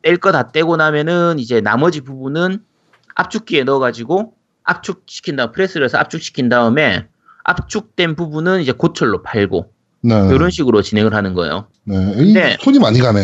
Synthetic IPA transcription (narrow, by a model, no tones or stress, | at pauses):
teɭk͈ʌtat̚t͈e̞ɡonamjʌnɯnid͡ʑe̞na̰mʌd͡ʑipubunɯn | a̰p̚t͡ɕ͈ʰuk̚k͈ie̞nʌɡad͡ʑiɡo | a̰p̚t͡ɕʰuk̚ɕ͈ʰi̥kʰindaɯmpʰɯɾe̞s͈ɯɾesʰʌa̰p̚t͡ɕ͈ʰuk̚ɕ͈ʰi̥kʰindaɯme̞ | a̰p̚t͡ɕ͈ʰuk̚t͈we̞npubunɯnid͡ʑe̞kot͡ɕʰʌɭːopaɭɡo | ne̞joɾʌnɕʰiɡɯɾot͡ɕine̞ŋɯɭɦanɯnɡʌḛjo̰ | nede̞sʰoɲimaɲiɡane